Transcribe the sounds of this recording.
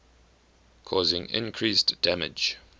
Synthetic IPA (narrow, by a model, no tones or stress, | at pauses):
kʰɔːzɪ̃ŋɪ̰̃nkʰɹiːstd̥æmɪ̰d͡ʒ